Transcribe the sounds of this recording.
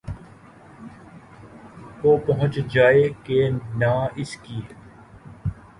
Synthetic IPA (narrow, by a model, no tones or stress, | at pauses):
koːpɐɦʊ̃t͡ʃd͡ʒaːeːkenaːɪskiː